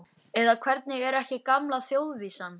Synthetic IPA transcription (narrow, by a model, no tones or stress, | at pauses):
ɛðakʰvɛɾt̪̚nɪɣɛɾɛhcɪkamlaθjowðviːsan